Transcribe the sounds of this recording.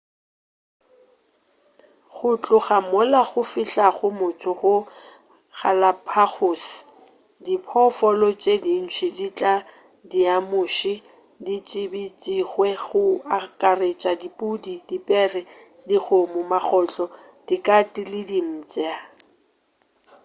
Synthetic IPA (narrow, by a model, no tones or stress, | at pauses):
ɣʊt͡ɬʼʊχamʊlaɣʊfɪɬaχʊmʊt͡sʰʊɣʊ | χalapʰaχʊs | dipʰɔfɔlɔt͡ʃʼedin̩t͡ʃʰidit͡ɬʼa | diamʊʃi | dit͡ʃʼɪbit͡sʼiɣwɛɣʊakʼaret͡ʃʼadipʼudidipʼɛrɛ | diɣomʊmaχɔt͡ɬʼɔ | d̥ikʼatilɪdim̩ːt͡sʼa